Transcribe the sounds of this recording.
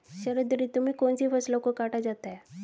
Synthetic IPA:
ɕəɾəd̪ɾit̪um̤iːkonsiːfəslɔ̃kokaʈad͡zat̪ae

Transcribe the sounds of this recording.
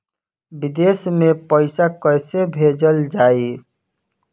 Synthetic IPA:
bid̪esmepəɪsakəjsebʱed͡ʒəld͡ʒaːi

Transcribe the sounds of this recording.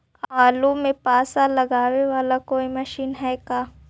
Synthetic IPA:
aːlumẽpaːsalɐɡaːweʋaːlakoːimɐʃiːnɦɛkaː

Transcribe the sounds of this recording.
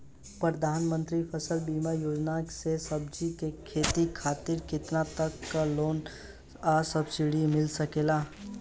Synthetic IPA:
pɾəd̪ʱaːnmə̃nt̪ɾipʰəsəlbiːmajoːd͡ʒnasesəb̚d͡ʒikekʰeːt̪ikʰaːt̪ɪɾkɪt̪nat̪əkːaloːn | asəbsɪɽimɪlsəkeːlaː

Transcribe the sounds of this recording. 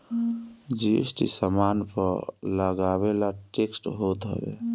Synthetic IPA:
d͡ʒisʈḭsəmanpəɾləɡabelaʈeksʈɦot̪ɦə̰bḛ

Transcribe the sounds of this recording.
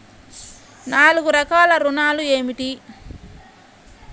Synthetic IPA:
naːluɡuɾɐkaːlɐɾunaːlue̞ːmiʈi

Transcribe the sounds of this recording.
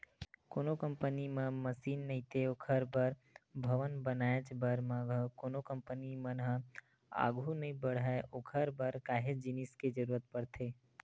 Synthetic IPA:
koːnokə̃mpənimə̃məsiːnːəɦĩt̪ʰeokʰəɾbəɾbʱəʋənbənaːet͡ʃbəɾmãɡəkoːnokə̃mpənimənɦə | a̰ːɡʱunəɦĩbəɽɦaʔoːkʰəɾbəɾkaːɦed͡ʒinɪsked͡ʒəɾuːɾət̪̚pəɽt̪ʰeː

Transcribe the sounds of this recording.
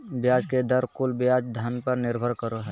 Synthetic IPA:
bjaːd͡ʒked̪əɾkʊlbjaːd͡ʒd̪ʱənpəɾnɪɾbʱəɾkəɾoɦɛː

